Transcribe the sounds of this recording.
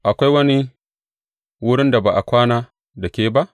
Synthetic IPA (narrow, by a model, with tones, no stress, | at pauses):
ʔa˨kʷa˦jwɐ˦ni˦ | wʊ˦ɽɪ˦nda˨baː˨ʔa˨kʷaː˦naː˦ | da˨kʲeː˦ba˦ʔ